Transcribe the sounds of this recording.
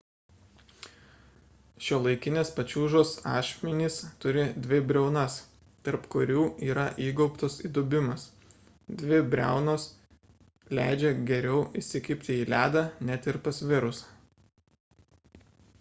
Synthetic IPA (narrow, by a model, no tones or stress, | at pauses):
ʃʲoːlˠɐɪkʲɪnʲeːspɐt͡ʃʲuːʒoːsɑ̰ːʃʲmʲɛnʲiːst̪ʊɾʲɪd̪ʲʋʲɪbʲɾʲɛʊnɐs | t̪ɐɾpkʊɾʲuːiːɾɐʔiːɡɔʊpt̪oːsḭd̪ʊbʲɪmɐs | d̪ʲʋʲɪbʲɾʲæˑʊnoːs | lʲæˑɪd͡ʒʲɛɡʲɛɾʲɛʊʔɪʃʲsʲɪkʲɪpʲt̪ʲɪiːlʲæːd̪ɑnʲɛt̪ɪɾpɐsʋʲɪɾʊsɐ